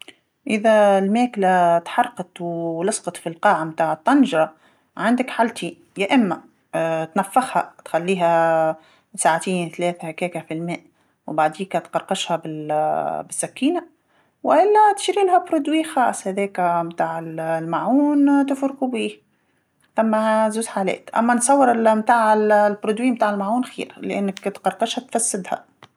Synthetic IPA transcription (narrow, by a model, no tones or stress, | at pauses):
ʔɪðælmæːklat̪ħɑrˤqɑt̪wlɑsqɑt̪ˤfilqɑːʕamt̪aːʕət̪ˤːɑnʒɾˤɑ | ʕand̪ɪkħalt̪ʰi | jaʔɪmːa | t̪nafːɪxhat̪xalːiːɦæ | saʕat̪iːnθlæːθahkɛːkafilmæːʔ | wbaʕd̪iːkat̪qɑɾˤqɑʃhabɪ | bɪsːækːiːna | wʔɪlːæt̪ɪ̥ʃɾiːlhæbɾud̪wiːxɑːsˤhæðɛːkæmt̪aːʕɪllmaʕuːnt̪ɪfɾqubiːh | θæmːæzuːzħaːlɛ̰ːt̪ʔæ̰mːænsˤɑwːɪɾɪlmt̪aːʕɪllbɾud̪wiːmt̪aːʕɪlmaʕuːnxḭːɾlʔɪnːɪkt̪qɑɾˤqɑʃhæt̪fæsːɪd̪hæ̰